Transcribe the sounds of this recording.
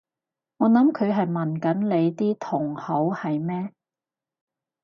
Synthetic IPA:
ŋɔː˨˧nɐ˨˥mkʰɵ˨˧ɥɦɐ˨jmɐ˨nkɐ˨˥nle˨˧jt̪iː˥t̪ʰʊ˨˩ŋhɐ˨˥whɐ˨jmɛː˥

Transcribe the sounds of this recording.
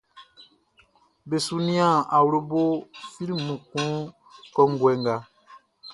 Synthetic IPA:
be˨su˦nĩ˦ã˦˨a˨wu˨ɾo˦bo˦fi˦lmũ˨kũ˨˦ | kɔ˦ŋ˦ɡwɛ˨ŋɡa˨

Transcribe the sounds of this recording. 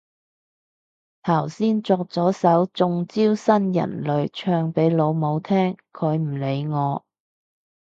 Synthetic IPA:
t̪ʰɐ˨˩wsiː˥nt͡sɔː˧k̚t͡sɔː˨˥sɐ˨˥wt͡sʊ˧ŋt͡siː˥wsɐ˥njɐ̰˨˩nlɵ˨˧ɥt͡ʃʰœː˧ŋpe˨˥jlo˨˧wmo˨˧wt̪ʰɛː˥ŋkʰɵ˨˧ɥm̩˨˩le˨˧jŋɔː˨˧

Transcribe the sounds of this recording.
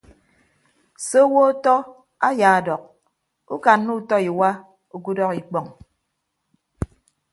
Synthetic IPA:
so˦wo˦tɔ˦ | a˦jaː˨a˨dɔ˨k̚ | u˦ka˨n˦nu˦tɔ˦i˨wa˦ | u˨ku˦dɔ˦ki˨k͡pɔ˨ŋ

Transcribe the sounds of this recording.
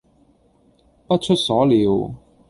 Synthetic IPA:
pɐ˥t̚t͡ʃʰɵ˥t̚sɔː˨˥liː˨˧w

